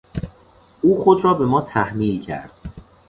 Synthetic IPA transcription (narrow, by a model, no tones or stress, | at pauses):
ʔuːxod̪ɾɒːbe̞mɒːt̪ʰæhmiːcʰæ̰ɾd̪̥̚